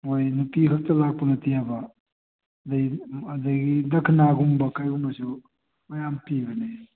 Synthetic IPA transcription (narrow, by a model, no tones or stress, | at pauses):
mojnupiɦɐk̚tɐlak̚pɐŋɐtiabɐ | dajɐdajɡidɐkʰnaɡumbɐkajɡumɐsu | mojampiɡɐne